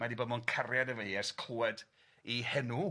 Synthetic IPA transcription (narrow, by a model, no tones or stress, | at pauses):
madiboːdmɔnkʰarjadəveɨɛskʰluːɛd | ihɛnu